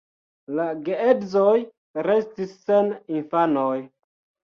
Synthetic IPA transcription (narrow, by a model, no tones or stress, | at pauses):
laɡeedzoj | ɾe̞stisːe̞ninfanoj